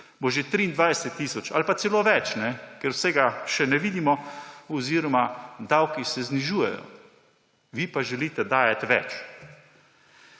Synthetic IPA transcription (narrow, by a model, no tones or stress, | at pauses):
boʒet̪ɾiːnd̪ʋajsɛt̪ːiːsɔt͡ʃa̰lpat̪sɛloːʋɛt͡ʃnɛkɛɾwsɛɡaʃɛnɛʋiːd̪imɔɔziːɾɔmad̪awkisɛzniʒuːjɛ̰jɔ̰ | ʋipaʒɛliːt̪ɛd̪aːjat̪ʲʋɛ̰t͡ʃ